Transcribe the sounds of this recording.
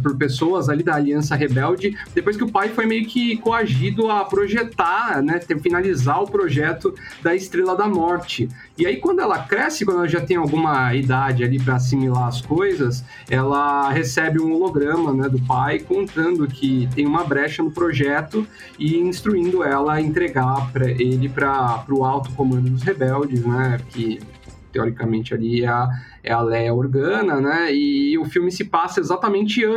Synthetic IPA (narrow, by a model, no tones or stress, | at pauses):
pʊɾpesoɐzalid̪ɐːliɐ̃sɐɦebɛwd͡ʒɪd̪epojs̬kɪʊpajfojmejʊkɪkoaʒid̪ʊɐpɾoʒet̪anɛt̪efinalizaʊpɾoʒɛt̪ʊ | d̪ɐɪst̪ɾelɐd̪ɐmɔɾt͡ʃɪ | ɪaikwɐ̃nd̪ʊɛlɐkɾɛsɪkwɐ̃nd̪ɛlɐʒat̪ẽj̃awɡũmɐid̪ad͡ʒɪalipɾɐas̬imilaɐskojzɐs | ɛlɐɦesɛbɪũoloɡɾɐ̃mɐnɛd̪ʊpajkõnt̪ɐ̃nd̪ʊkʰɪt̪ẽj̃ũmɐbɾɛʃɐnʊpɾoʒɛt̪ʊ | ɪĩst̪ɾuĩnd̪ʊɛlɐẽnt̪ɾeɡapɾɐelɪpɾɐpɾʊawt̪ʊ̥komɐ̃nd̪ʊd̪ʊshebɛwd͡ʒɪsnɛkɪ | t̪eoɾikɐmẽnt͡ʃɪaliɛ | ɛ̰alɛjɐoɾɡɐ̃nɐnɛɪʊfiwmɪsɪpasɐezat̪ɐmẽnt͡ʃɪ̃